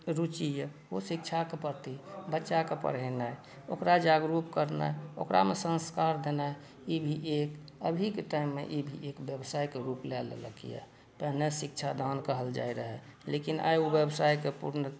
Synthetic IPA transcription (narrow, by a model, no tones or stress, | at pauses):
ɾut͡ʃijə | osikt͡ʃʰakepəɾt̪ibətːʃakepə̰ɾɛnaj | o̰kɾad͡ʒaɡɾupkəɾna̰jo̰kɾʔa̰mesə̃nskaɾd̪ena | ibʱiʔek | əbʱikeʈaimːḛʔibʱiʔekbjəbsajkeɾuplɛl̰lə̰kḭja̰ | pəɦnesik̚t͡ʃʰad̪ʱankəɦəld͡ʒa̰jɾəɦɛlekina̰jubjəbsajkepṵɾnə